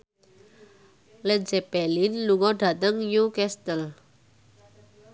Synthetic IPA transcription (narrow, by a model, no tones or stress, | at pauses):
lɛd͡ʒɛpɛlinluŋɔɖ̥a̤t̪əŋjukɛst̪əl